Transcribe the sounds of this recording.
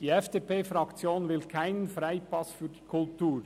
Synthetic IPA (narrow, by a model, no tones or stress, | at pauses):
d̥iːɛfd̥eːpeːfɾɑkt͡sjoːnvɪlkʰaɪnənfɾaɪpɑsfyːd̥iːkʰʊltuːɾ